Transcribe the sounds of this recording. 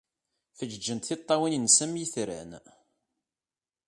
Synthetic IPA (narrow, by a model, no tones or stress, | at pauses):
θəd͡ʒəd͡ʒːənt̪θit̪ˤːɑwinənsæmjiθɾæ̰n